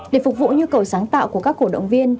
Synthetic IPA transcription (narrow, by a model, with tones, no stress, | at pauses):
ɗe˧˩fʊ˨˩k̚vṵ˧˨ɲu˧kə˨˩wsaː˨˦ŋt̪a̰ː˧˨wku˧˩əkaː˦˥k̚ːo˧˩ɗə̰˧˨wŋ͡mvi˧ən